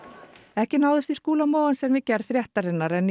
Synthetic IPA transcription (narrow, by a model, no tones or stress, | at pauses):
ɛhcɪnawðʏst̪iskuːlamoːwansɛmvɪcɛɾfɾjɛht̪aɾɪnːaɾɛnː